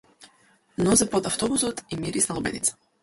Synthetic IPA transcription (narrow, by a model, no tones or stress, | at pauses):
nɔzɛpɔt̪aft̪ɔbusɔt̪imiɾisnalˠɔbɛ̰nḭt̪sḁ